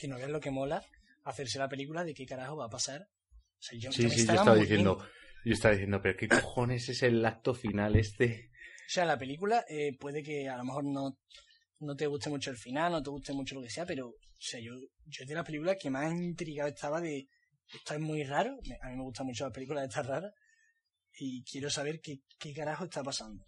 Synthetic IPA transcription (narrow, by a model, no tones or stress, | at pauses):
kenoβealo̞ke̞mo̞laː | θe̞ɾselape̞likulaðe̞ke̞kaɾahoβaːpasaɾ | oseaʝosisiʝaoeaaβaðiθjend̪oɟ͡ʝoest̪aβaðiθje̞nd̪o̞peɾoke̞koxo̞ne̞seselak̚t̪o̞finale̞st̪eose̞alapelikulaʔepwe̞ðe̞k̬e̞alomexo̞ɾno̞ | no̞t̪̬e̞ɣut̪emut͡ʃoelfinalnot̪e̞ɣut̪e̞mut͡ʃo̞lo̞ke̞se̞ape̞ɾooseaʝo̞ʝoðilape̞likulake̞masint̪ɾiɣaoe̞ht̪ʰaβaðe̞ | et̪oemwiraɾomeamĩmeɣut̪amut͡ʃolape̞likulaet̪ʰaraɾa | ikje̞ɾosaβ̞e̞ɾkekeɣaɾahoet̪ʰapasand̪o